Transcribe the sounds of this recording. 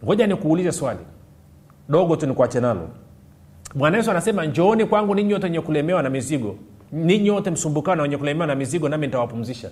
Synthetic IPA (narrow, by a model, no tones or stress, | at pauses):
ŋɡɔʄanikuːlizɛswalḭ | ɗɔɡɔtunikwat͡ʃɛnalɔ̰ | mwanaɛsuanasɛmaɲd͡ʒɔɔnikwaŋɡuniɲiɔtɛɲɛkulɛmɛwanamiziɡɔ | niɲiwɔtɛm̩sumbukanawɛɲɛkulɛmɛwanamiziɡɔnaminitawapum̩ziʃa